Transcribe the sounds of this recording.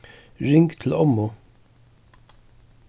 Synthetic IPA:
ɹɪŋkt̪ʰɪl̩ɔmːʊ

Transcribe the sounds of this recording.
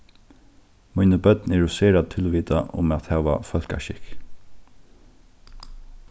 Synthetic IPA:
mʊjnəbœt̪nɛɹʊseːɾad̪̚t̪ʰɪlʋiːt̪aʔʊ̰mat̪hæːʋa̰fœl̥ka̰ʃɪk

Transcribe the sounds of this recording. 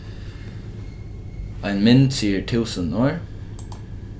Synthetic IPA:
ʔæɪnmɪnd̪siːəʈʰʉːsənoːɹ

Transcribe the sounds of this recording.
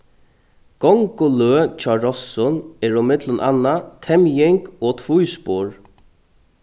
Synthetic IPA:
ɡ̥ɔŋkʊløːt͡ʃʰaɹɔsːɔnɛːɹɔmɪt̪lənʔa̰nːat̪ʰɛmjɪŋkɔːt̪ʰvujspoːɹ

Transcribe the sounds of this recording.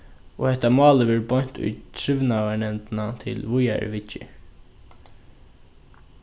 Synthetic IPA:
ɔhɛt̪amɑːlɪʋɛɾbɔɲ̥t̪ʊ̰jt̪ʰɾɪʋnavaɳɛmnt̪nat̪ʰɪ̰lvʊja̰ɾ̰ʋɪt͡ʃːɪ̰

